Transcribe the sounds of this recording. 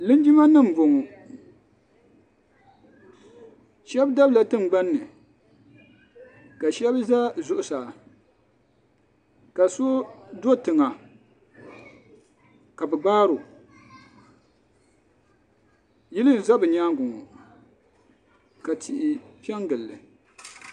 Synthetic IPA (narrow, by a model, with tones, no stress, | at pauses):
lɨ˦n˦d͡ʒi˦ma˦nɨ˦m̩˨bo˨ŋɔ˨ | ʃɛ˦bda˦bla˨tɨ˦m˨ɡ͡ba˦nːɨ˨ | ka˨ʃɛ˦bza˦zʊ˨ʔʊ˨sa˨ | ka˨so˦do˦tɨ˨ŋa˨ | ka˨bɨ˨ɡ͡baː˦ɾʊ˨ | ji˦lɨ˦n̩˨za˦bɨ˨ɲaː˦ŋɡʊ˨ŋɔ˨ | ka˨tʰi˨ʔɪ˨pɛ˦ŋɡɨ˨lːɨ˨